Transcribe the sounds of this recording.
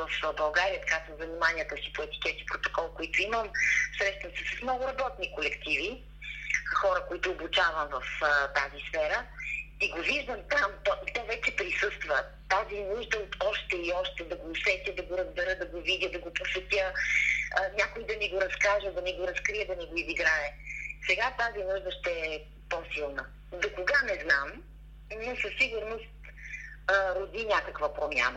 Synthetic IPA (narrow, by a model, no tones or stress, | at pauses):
vəfbɐlˠɡaɾiət̪ɐ̥kasəmzɐnimanʲiət̪əsi̥poɛt̪i̥k̟ɛt̪i̥pɾot̪okɔlˠkoit̪ʊiməmsɾɛʃt̪vəmsɛsɐsmnɔɡʊɾɐbɔt̪nikolɛkt̪ivi | xɔɾəkoit̪ʊːbut͡ʃavɐmvəft̪azisfɛɾəiɡoviʒd̪əmt̪amt̪ɔʔit̪ɛvɛt͡ʃɛpɾisɤst̪və | t̪azinuʒd̪ət̪ɔʃt̪ɛiɔʃt̪ɛd̪ɐɡoːsɛt̪ʲəd̪ɐɡoɾəzbɛɾəd̪ɐɡovidʲəd̪ɐɡoposɛt̪ʲə | ənʲjakojd̪ɐniɡoɾɐskaʒəd̪ɐniɡoɾɐskɾijəd̪ɐniɡoiziɡɾaɛsɛɡat̪azinuʒd̪əʃt̪ɛɛ | pɔsilˠnə | d̪okoɡanɛznam | niɛsəsːiɡʊɾnost̪ | ɾod̪inʲakəkvəpɾomʲja̰nə